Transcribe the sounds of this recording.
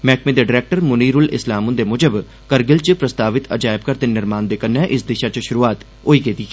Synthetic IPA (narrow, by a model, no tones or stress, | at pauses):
mɛːkmẽd̪eːɖɪɾɛːk̚ʈəɾmʊniːɾʊlɪslaːmʊnd̪eːmʊd͡ʒəb | kəɾɡɪlt͡ʃpɾəst̪aːʋɪt̪ə̰d͡ʒaːɪb̚kəɾt̪eːnɪɾmaːnd̪eːkənːɛːʔɪsd̪ɪʃaːt͡ʃʃʊɾuːaːt̪ | oːiːket̪iː